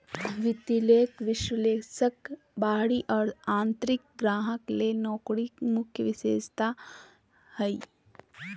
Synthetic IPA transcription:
ʋɪt̪ileːkʋɪʃwəleːsək | baːɽiʔɔːɾãːnt̪ɾɪk̚ɡɾaːɦəklenɔːkɽimʊkʰjəʋɪʃeːd͡ʒt̪a | həi

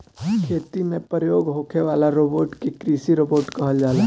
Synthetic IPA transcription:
kʰeːt̪imẽpɾəjoːɡɦoːkʰeʋaːlaɾoːboːʈkekɾiːsiɾoːboːɾʈkɐɦəld͡ʒaːle

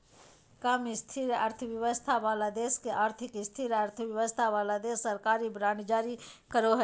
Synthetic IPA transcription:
kaːmist̪ʰiɾə̰ɾt̪ʰəʋjəʋəst̪ʰabaːlad̪eːskeʔaːɾt̪ʰɪkɪst̪ʰiɾəɾt̪ʰəʋjəʋəst̪ʰaʋaːlad̪eːsːəɾkaːɾibɾãːɳɖd͡ʒaːɾikəɾoɦə

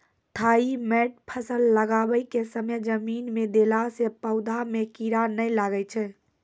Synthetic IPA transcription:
t̪ʰaimɛʈpʰəsəlːəɡabəjkesəməd͡ʒəminmed̪elasepəʊd̪ʱamekiɾanəjlaɡɛt͡ʃʰɛ

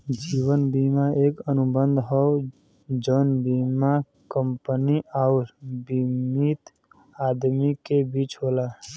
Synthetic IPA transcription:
d͡ʒiwənbimaekənubənd̪ʱɦɔo | d͡ʒənbima | kəmpniauɾbimit̪ | ad̪mikebit͡ʃɦola

